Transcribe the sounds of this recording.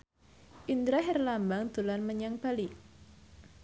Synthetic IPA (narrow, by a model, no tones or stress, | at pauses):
ʔind̪ɾaɦɛrlambaŋd̪̥ṳlanməɲaŋb̥ali